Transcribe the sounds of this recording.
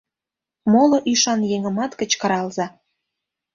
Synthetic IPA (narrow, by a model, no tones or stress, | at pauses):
moloʔyʃɑnjeŋə̆mɑt̪kə̆t͡ɕkɑɾɑlzɑ